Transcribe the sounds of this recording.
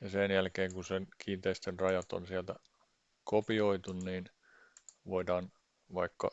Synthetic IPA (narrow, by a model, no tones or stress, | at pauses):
jɑsenjælkeːŋkunsenkʰiːnt̪eist̪enrɑjɑt̪o̰nsiælt̪æ | kopioit̪unniːn | ʋoidɑːn | ʋɑikːɑ̰